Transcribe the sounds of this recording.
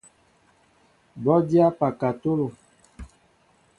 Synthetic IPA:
bɔ˦di˦a˦pa˨ka˨to˦lo˨

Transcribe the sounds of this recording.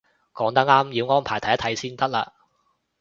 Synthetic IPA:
kɔː˨˥ŋt̪ɐ˥k̚ŋaː˥mjiː˨˧wŋɔː˥npʰaː˨˩t̪ʰɐ˨˩jɐ˥t̪ʰɐ˨˧jsiː˥nt̪ɐ˥k̚laː˧

